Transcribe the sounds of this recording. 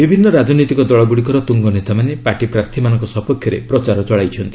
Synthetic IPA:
bibʱinːɔɾad͡ʒɔnit̪ikɔd̪ɔɭɔɡuɽikɔɾɔt̪uŋɡɔnet̪amanepaʈipɾaɾt̪ʰimanɔ̃ŋkɔsɔɦpɔkʰjɔɾḛpɾɔt͡ʃaɾɔt͡ʃɔɭajt͡ʃʰɔnt̪i̥

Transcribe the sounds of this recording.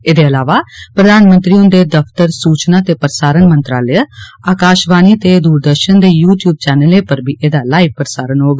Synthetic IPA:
eːd̪eːəlaːʋaːpɾəd̪aːnmənt̪ɾiːõnd̪eːd̪əpʰt̪əɾsuːt͡ʃnaːt̪eːpəɾəsaːɾənmənt̪ɾaːləaːkaːʃbaːniːt̪eːd̪uːɾd̪əɾʃənd̪eːjuːʈjuːb̚t͡ʃɛːnəleːpəɾbʱiːʔeːd̪aːlaːiʋ̚pəɾsaːɾənɦoːɡ

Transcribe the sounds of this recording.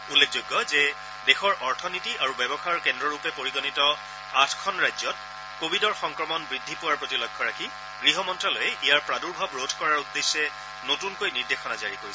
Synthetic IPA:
ulːekʰzoɡːɔzɛ | dexɔɹʔɔɹtʰɔnitiʔaɹubɛbɔxaɹkɛndɹɔɹupɛpoɹiɡɔnitɔ | atʰkʰɔnɹajzɔt̚ | kobʱidɔɹxɔŋkɹɔmɔnbɹidʱːipʊwaɹpɹotilɔjɡʰʱːɔɹakʰi | ɡɹiɦɔmɔntɹalojɛʔijaɹpɹaduɹbʱabɹodʱkɔɹaɹudːesːɛ | notunkojniɹdexɔnazaɹikoɹisɛ

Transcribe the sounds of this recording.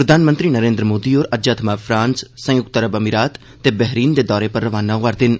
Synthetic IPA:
pɾəd̪aːnmənt̪ɾiːnəɾẽːnd̪ɾəmoːd̪iːoːɾəd͡ʒaːt̪ʰmaːpʰɾãːnssə̃jʊɡt̪əɾəbəmiːɾaːt̪ːeːbɛɦɾiːnd̪eːd̪ɔːɾeːpəɾːəʋaːnaːʋaɾd̪ɪn

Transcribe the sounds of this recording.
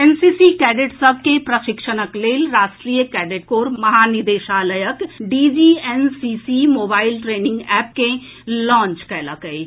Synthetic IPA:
ensisikɛːɖeʈsɐbʱkepɾɐʃɪkʃənəkleːlɾaːsʈɾiːjəkɛːɖeʈ̚koːɾmɐɦaːnid̪eːʃaːləjəkɖiːd͡ʒiːensiːsimoːbaːɪilʈɾeːnɪ̃ŋɡɛːp̚ke | lɔ̃ːnt͡ʃkɛːləkəi

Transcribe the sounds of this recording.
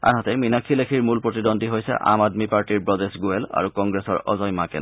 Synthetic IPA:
a̰nɦɔtɛminakʰilekʰiɹmulpɹotidondiɦojsɛ̰ʔa̰madmipaɹtiɹpɹɔdesɡuela̰ɹukɔŋɡɹesɔɹɔ̰zɔjmakɛ̰n

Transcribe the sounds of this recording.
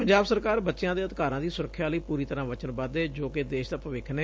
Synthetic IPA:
əɲd͡ʒaːbsəɾkaːɾbətːʃjãːd̪eːəd̪ɪkaːɾãːd̪iːsʊɾəkʰːjaːləiːpuːɾiːt̪əɾãːʋət͡ʃənbəd̪eːd͡ʒoːked̪eːʃd̪aːpəʋɪkʰneː

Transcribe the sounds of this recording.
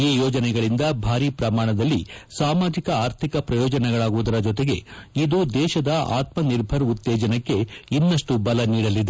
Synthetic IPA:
iːjɔːd͡ʒɐnɛɡɐɭind̪ɐbʱaːɾipɾɐmaːɳɐd̪ɐlːisaːmaːd͡ʒikɐaːɾt̪ʰikɐpɾɐjɔːd͡ʒɐnɛɡɐɭaːɡuʋud̪ɐɾɐd͡ʒɔt̪eɡe̞id̪ud̪ɛːʃɐd̪ɐa̰ːt̪mɐniɾbʱɐɾut̪ːɛːd͡ʒɐnɐkːe̞inːɐʂʈubɐlɐniːɽɐlːid̪e

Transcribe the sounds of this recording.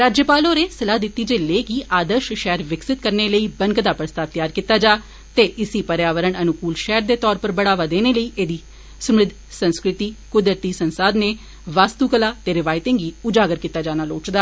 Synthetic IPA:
ɾaːd͡ʒjəpaːloːɾeːsəlaːd̪ɪt̪ːiːd͡ʒeːleːkiːʔaːd̪əɾʃʃɛːəɾʋɪksɪt̪̚kəɾneːləiːbəŋkd̪aːpɾəst̪aːt̪jaːɾkiːt̪ːaːd͡ʒaː | t̪eːʔɪsiːpəɾjaːʋəɾəɳənʊkuːlʃɛːɾd̪eːt̪ɔːɾpəɾbəɽaːʋaːd̪eːneːləiːʔeːd̪iː | səmɾɪd̪ʱ | sənskɾɪt̪iːkʊd̪ət̪iːsənsaːd̪neː | ʋaːst̪uːkəlaːt̪eːɾɪʋaːɪt̪ẽːŋɡiːʊd͡ʒaːɡəɾkit̪ːaːd͡ʒaːnaːloːt͡ʃd̪aː

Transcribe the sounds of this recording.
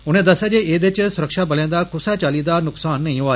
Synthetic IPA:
ʊñẽːd̪əsaːd͡ʒeʔeːd̪et͡ʃsʊɾəkʃaːbəljãːd̪akʊsat͡ʃaːliːd̪aːnʊksaːnːɐĩɦoaː

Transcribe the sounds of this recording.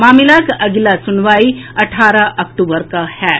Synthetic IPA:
maːmɪlakɐɡlasʊnʋaːiɐʈʰaːɾaʔɐkʈuːbəɾkahɛː

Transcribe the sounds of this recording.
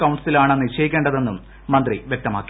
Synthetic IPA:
kɐwɳɖsilaːɳenːɨt͡ɕejikʲːeːɳɖɐðe̞nːumː | ɐnd̪riʋjek̚t̪ɐma̰ːkːi

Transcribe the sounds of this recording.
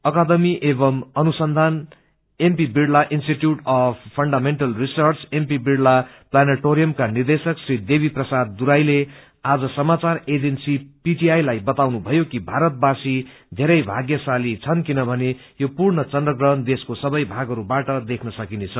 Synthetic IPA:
ʌkad̪ʌmiʔebʌmʌnusʌnd̪ʱan | empibiɽlaʔinsʈiʈjuʈʌpʰpʰʌɳɖameɳʈʌlrisʌrt͡sempibiɽla | planaʈoɾijʌmkanird̪esʌksrid̪ebʱiprʌsad̪̚ːuɾajle | ad͡zʌsʌmat͡sared͡zensipiʈiajlajbʌt̪awnubʱʌjokibʱaɾʌt̪̚basi | d̪ʱeɾʌjbʱaɡjʌsalit͡sʰʌnkinʌbʱʌne | jopurɳʌt͡sʌndrʌɡrʌɦʌnd̪eskosʌbʌjbʱaɡʌɾubaʈʌd̪ekʰnʌsʌkinet͡sʰʌ

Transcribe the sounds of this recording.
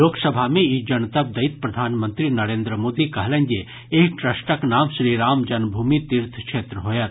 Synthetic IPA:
oːksɐbʱamẽid͡ʒɐnt̪ɐb̚d̪ɐit̪̚pɾɐd̪ʱaːnmə̃nt̪ɾinɐɾẽːnd̪ɾəmoːd̪ikɐɦlɛ̃nd͡ʒe | eːkʈɾɐsʈəknaːmʃɾiːɾaːmd͡ʒɐnbʱuːmit̪iɾt̪ʰkʃʰeːt̪ɾəɦoːjat̪

